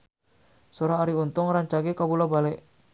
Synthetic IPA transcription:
sɔɾaːɾiunt̪ɔŋɾaɲt͡ʃaɡɛkabulabalɛʔ

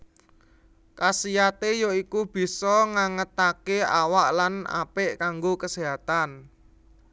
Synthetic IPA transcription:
kasijat̪ejoikub̥i̤sɔŋaŋət̪akeawaʔlana̰pɪʔkaŋɡokəseɦat̪an

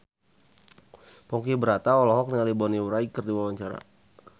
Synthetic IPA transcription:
pɔŋkibəɾat̪aɔlɔɦɔk̚nialibɔniuɾaikərdiwawaɲt͡ʃaɾa̰

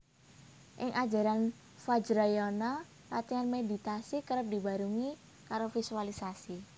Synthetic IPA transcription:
ʔɪŋʔḁd͡ʒa̤ɾan | fad͡ʒɾɔjɔnɔ | lat̪ianmedi̤t̪asikəɾəp̚diba̤ɾuŋi | kaɾofisualisasi

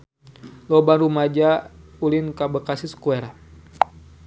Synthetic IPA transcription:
lɔbanrumad͡ʒaulinkabəkasiskuɛɾa

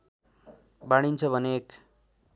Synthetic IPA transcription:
baɽ̃int͡sʰʌbʱʌneːk

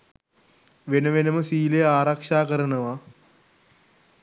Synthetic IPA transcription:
ʋenɐʋenɐmɐsiːleaːɾɐkʂaːkɐɾɐnɐʋɐ

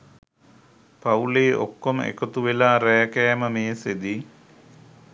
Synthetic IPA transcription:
pauleːʔokːomḛkot̪uʋelaːɾɛjəkɛjməmeːsed̪i

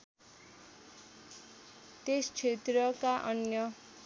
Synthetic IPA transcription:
t̪est͡sʰet̪rʌkaʔʌnjʌ

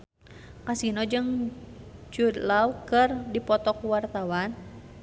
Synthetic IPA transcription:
kasinɔd͡ʒɨŋ | t͡ʃud̪laukɨrdipɔt̪ɔkuwart̪awan

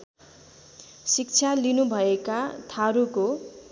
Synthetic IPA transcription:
sikt͡sʰalinubʱʌekat̪ʰaɾuko

